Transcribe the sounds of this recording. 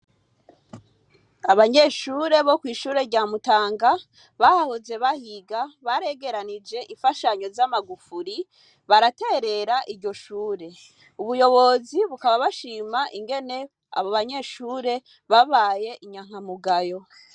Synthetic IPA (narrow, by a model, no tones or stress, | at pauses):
aβaɲe̞ʃuːɾe̞βo̞kwiːʃuːɾe̞ɾɟaːmutaːŋɡa | βahahoze̞βahiɡaβaɾe̞ɡe̞ɾanid͡ʒe̞ʔiɱfaʃaɲo̞zamaɡufuɾi | βaɾate̞ːɾe̞ɾaʔiɾɟo̞ʃuːɾe̞ | uβujo̞βo̞ziβukaβaβaʃiːmaʔiŋɡe̞ne̞ | a̰βoβaɲe̞ʃuːɾe̞ | βaβaje̞ʔiɲaŋ̥amuɡajo̞